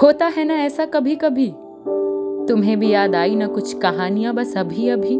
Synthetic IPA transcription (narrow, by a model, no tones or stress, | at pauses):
ɦoːt̪aɦɛnaɛːsakɐbʱikɐbʱi | t̪ʊmɦẽbʱijaːd̪aːinɐkʊt͡ʃʰkɐɦaːnijãbɐsɐbʱiɐbʱi